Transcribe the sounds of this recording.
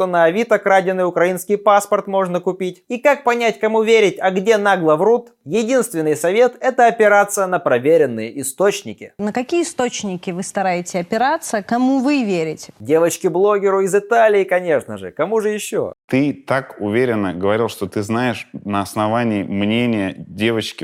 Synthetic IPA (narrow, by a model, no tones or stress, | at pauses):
t̪onəːvʲit̪əkɾadʲɪnːɨjʊkɾɐinskʲɪjpaspərt̪mo̞ʐnəkʊpʲitʲikak̚pɐnʲætʲkɐmuvʲeɾʲɪtʲɐɡdʲe̞naɡlˠəvɾut̪ | jɪdʲinst̪vʲɪnːɨjsɐvʲe̞t̪ɛt̪əɐpʲɪɾat̪sɨjənəpɾɐvʲeɾʲɪnːɨjəʔɪst̪ot͡ɕnʲɪ̰kʲɪnəkɐkʲijəɪst̪ot͡ɕnʲɪkʲɪvɨst̪ɐɾajɪtʲɪɐpʲɪɾat̪səkɐmuvɨvʲeɾʲɪtʲdʲe̞vət͡ɕkʲɪblˠo̞ɡʲɪɾʊɪzɪt̪alʲɪːɪkɐnʲe̞ʂnəʐɨ̰kɐmuʐɨjɪɕːo̰t̪ɨt̪akʊvʲeɾʲɪnːəɡəvɐɾʲilˠʂt̪ot̪ɨznajɪʂnəɐsnɐvanʲɪːmnʲenʲɪjədʲevət͡ɕkʲɪ